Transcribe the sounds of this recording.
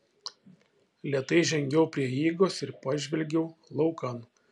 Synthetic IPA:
lʲiɛt̪ɐɪʒʲɛŋʲɡʲɛʊpʲɾʲiɛjiːɡoːsɪɾpɑːʒʲʋʲɛlʲɡʲɛʊlˠɒʊkɐn

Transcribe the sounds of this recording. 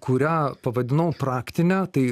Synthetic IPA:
kʰʊɾʲæːpɐʋɐd̪ʲɪnɐʊpɾɑːkt̪ʲɪnʲæːt̪ɐɪ

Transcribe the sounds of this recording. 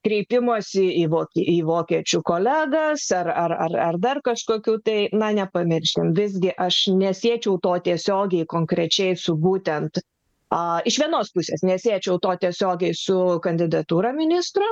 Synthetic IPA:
kɾʲɛɪpʲɪmoːsʲɪiːʋoːkʲiʔiːʋoːkʲiɛt͡ʃʲukoːlʲæːɡɐsɐrɐrɐrɐrd̪ɐrkɐʃkoːkʲuːt̪ɐɪnɐnʲɛpɐmʲɪɾʲʃʲɪmʋʲɪzʲɡʲɪʔɐʃnʲɛsʲiɛt͡ʃʲɛʊt̪oːt̪ʲiɛsʲoːɡʲɛɪkoːŋkɾʲɛt͡ʃʲɛɪsʊbuːt̪ʲɛnt̪ | ɐɪʃʋʲiɛnoːspʊsʲeːsnʲɛsʲiɛt͡ʃʲɛʊt̪oːt̪ʲiɛsʲoːɡʲɛɪsʊkɐnʲd̪ʲɪd̪ɐt̪uːɾɐmʲɪnʲɪst̪ɾʊ

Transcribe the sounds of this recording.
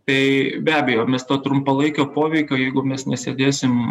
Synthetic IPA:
t̪ɐɪbʲæːbʲɛjoːmʲɛst̪oːt̪ɾʊmpɐlˠɐɪkʲoːpoːʋʲɛɪkʲoːjɛɪɡʊmʲɛsnʲɛsʲeːd̪ʲeːsʲɪm

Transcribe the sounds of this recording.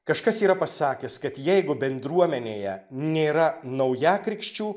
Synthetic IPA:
kɐʃkɐsiːɾɐpɐsɑːkʲɛskɐt̪jɛɪɡʊbʲɛnd̪ɾuɔmʲɛnʲeːjɛnʲeːɾɐnɐʊjæːkɾʲɪkʃʲt͡ʃʲuː

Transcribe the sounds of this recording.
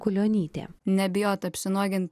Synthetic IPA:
kʊlʲoːnʲiːt̪ʲḛːnʲɛbʲɪjoːt̪ɐpʲsʲɪnuɔɡʲɪnt̪

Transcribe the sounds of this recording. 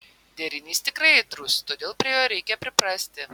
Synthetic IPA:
d̪ʲɛɾʲɪnʲiːst̪ʲɪkɾɐɪɪt̪ɾʊst̪oːd̪ʲeːlˠpʲɾʲiɛjoːɾʲɛɪkʲɛpʲɾʲɪpɾɑsʲt̪ʲɪ

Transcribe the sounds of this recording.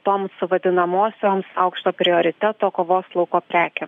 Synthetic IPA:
t̪oːmsʊʋɐd̪ʲɪnɐmoːsʲoːmsɐʊkʃt̪oːpʲɾʲɪoːɾʲɪt̪ʲɛt̪oːkoːʋoːslˠɐʊkoːpʲɾʲæːkʲeː

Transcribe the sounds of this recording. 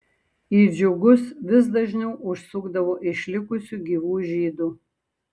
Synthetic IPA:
iːd͡ʒʊɡʊsʋʲɪs̬d̪ɐʒʲnʲɛʊʔʊʃsʊɡd̪ɐʋoːʔɪʃʲlʲɪkʊsʲuːɡʲiːʋuːʒʲiːd̪uː

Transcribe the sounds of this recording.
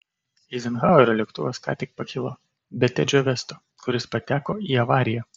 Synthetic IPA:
ɪzʲɪnɣɑːoɾʲolʲɛkt̪ʊʋoskɑ̰ːt̪ʲɪk̚pɐkʲɪlˠo | bʲɛt̪ʲɛd͡ʒʲoːʋʲɛst̪o | kʊɾʲɪspɐt̪ʲæːkoːiːɐʋɑːɾʲɪjɛ

